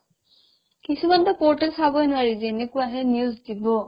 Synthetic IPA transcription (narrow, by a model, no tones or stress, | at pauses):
kisumantɔpɔɹtɛsabɔjnʊwaɹizenekʊaɦɛnjuzdibɔ